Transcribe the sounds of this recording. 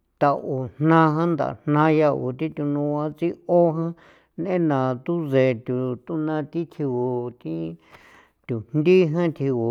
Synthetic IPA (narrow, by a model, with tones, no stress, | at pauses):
t̪a˧u˨n̥nã˦ɦã˦nd̪a̰˨n̥nã˦ja˧u˨t̪ĩ˦t̪u˧nũ˧ã˧t͡si˦o˦ɦã˦ | n˧˦ẽ˦nã˨t̪u˦ze˨t̪ʲu˨t̪u˦nã˧t̪i˦t̪ʰi˧u˧t̪ĩ˦ | t̪ʲu˨nd̪i˦ɦã˦t̪ʰi˧u˨